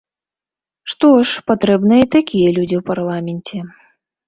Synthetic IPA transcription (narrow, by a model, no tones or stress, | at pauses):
ʂt̪ɔʂpat̪ɾɛbnɨjɐit̪akʲijɐlʲud͡zʲiwparlˠamʲɛnʲt͡sʲɛ